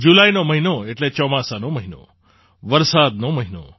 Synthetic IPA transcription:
d͡ʒulajnoməɦinoeʈlet͡ʃɔmasanoməɦino̰ | ʋəɾsad̪noməɦino̰

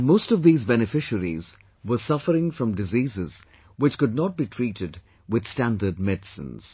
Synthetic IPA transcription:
moʊstɔvðiːzbɛnɨfɪʃəɾḭz | wəsʌfəɾɪ̃ŋfɹʌ̃mdɪziːzɪz | wɪt͡ʃkʊd̚ⁿnɔt̚b̥iːtʰɹiːɾɪd | wɪð̥stæ̃ndəd̚mɛdsə̰̃nz̥

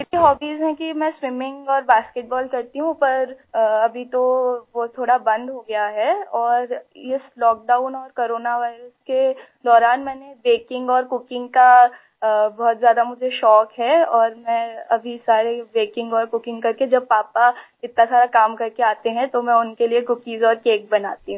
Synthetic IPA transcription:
ɪʈiɦɔːbiːzɦɛ̃kimɛ̃swɪmɪ̃ŋɡɔːɾbaːskeʈ̚bɔːlkɐɾt̪iɦũpɐɾɐbʱit̪oʋot̪ʰːoːɽabɐ̃nd̪ɦoɡɐjaɦɛɔːɾɪslɔːk̚ɖaːʊ̃nɔːɾkoːɾoːnaʋaːɪɾəske | d̪ɔːɾaːnmɛ̃ːnebeːkɪ̃ŋɡɔːɾkʊkɪ̃ŋɡka | bɔːt̪zjaːd̪amʊd͡ʒʱeʃɔːkɦɛːɔːɾmɛ̃ːɐbʱisaːɾebeːkɪ̃ŋɡɔːɾkʊkɪ̃ŋɡkɐɾked͡ʒɐb̚paːpa | ɪt̪nasaːɾakaːmkɐɾkeaːt̪eɦɛ̃t̪omɛ̃ʊnkeliekʊkiːzɔːɾkeːk̚bɐnaːt̪iɦũ

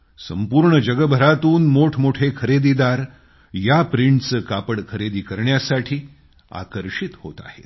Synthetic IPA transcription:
sə̰mpuːɾɳəd͡ʑəɡəbʱəɾat̪uːnmoʈʰmoʈʰekʰəɾed̪iːd̪aɾ | japɾiɳʈt͡səkapəɽkʰəɾed̪iːkəɾɳjasaʈʰiː | a̰kəɾʂit̪ho̰t̪a̰hḛt̪

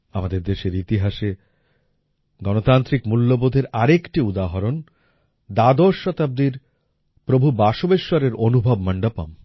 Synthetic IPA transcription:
amad̪eɾd̪eʃeɾit̪iɦaʃe | ɡɔnot̪ant̪ɾikmulːobod̪ʱeɾaɾekʈiud̪aɦɔɾon | d̪ad̪oʃːɔt̪ab̚d̪iɾ | pɾobʱubaʃobeʃːɔɾeɾonubʱɔbmaɳɖapa̰m

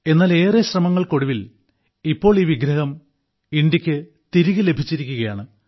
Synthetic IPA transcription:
e̞nːaːle̞ːreɕrɐmɐŋːɐɭko̞ɽuʋil | ipːo̞ːɭiːʋiɡɾɐhɐm | iɳdikʲːɨ | t̪iɾiɣɨle̞bʱit͡ɕːiɾikʲːuɣɐjaːɳɨ

